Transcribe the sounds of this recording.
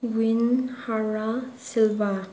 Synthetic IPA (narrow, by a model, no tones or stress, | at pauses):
ɡwinhaɾasilba